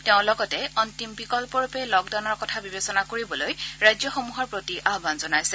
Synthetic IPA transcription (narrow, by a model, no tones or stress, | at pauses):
tɛʊ̃lɔɡɔtɛɔntimpikɔlpɔɹupɛlɔk̚daw̃nɔɹkɔtʰabibesɔnakoɹibɔlojɹajzjɔxomuɦɔɹpɹotiʔaɦbanzɔnajsɛ